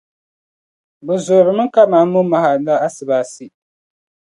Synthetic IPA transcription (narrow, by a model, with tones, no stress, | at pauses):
bɛ˨zʊ˨ɾɨ˨mɨ˦ŋ˦ka˦maː˨˦ʊ˦ma˨ha˨la˦a˦sɨ˨baː˨si˦